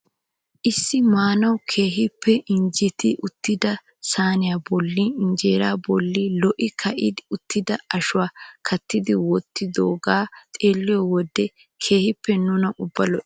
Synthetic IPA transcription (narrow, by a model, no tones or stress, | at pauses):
ʔɪsːɪmaːnɐwkʰe̞ːɦɪpʰːɛʔɪɲd͡ʒɛt̪ɪʔʊt̪ːɪd̪ɐ | saːnɪjaːbɔlːiɪnd͡ʒeːɾaːbɔlːilɔʔɪkʰɐʔɪd̪ɪʊt̪ːɪd̪ɐɐʃʊwaːkʰɐt̪ːɪd̪ɪwɔt̪ːɪd̪oːɡaːt̪ʼeːlːɪjɔwɔd̪ːɛ | kʰe̞ːhɪpːɛnʊnɐʔʊbːɐlɔʔɪ